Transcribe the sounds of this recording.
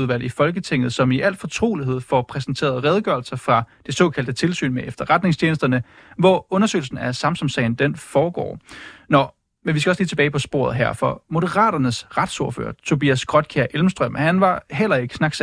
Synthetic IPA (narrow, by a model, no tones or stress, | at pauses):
ðˠʋæl̰ifɒ̽lɡ̥ət͡sʰe̝ŋ̰ð̩ˠsɒ̽miʔæl̰d̥fɒ̽t͡sʰʁo̝̰ːliɦe̝ð̰ˠfɒpʰʁɛsn̩t͡sʰe̝̰ːɐð̞ˠʁɛð̞ˠɡ̥ɶɐlsɐfʁɑ̈d̥e̝sɔ̰ːkʰæl̰d̥ət͡sʰe̝lsy̰ːnmeʔefd̥ɐʁad̥ne̝ŋst͡ɕʰeːnəsd̥ɐnə | ʋɒɔ̽nɐsø̰ɪl̩sn̩æsɑ̈msɒ̽msɛ̰ɪn̩d̥enfɒːɡ̥ɒ̰ːnɒ | menʋisɡ̥æɒ̽sliːt͡sʰe̝b̥ɛːɪpʰɒ̽sb̥o̝̰ɐ̰ðˠɦæɐ̰fɒ̽mo̝ðəʁɑ̰̈ːɾ̥ɐnəsʁad̥soɐfø̰ːɐt͡sʰo̝biːæsɡ̥ʁɒ̽d̥̚kʰæɐʔelm̩sd̥ʁœm̰hænʋɑ̈ɦel̰ɐe̝ɡ̥ə̥snɑ̈ɡ̥s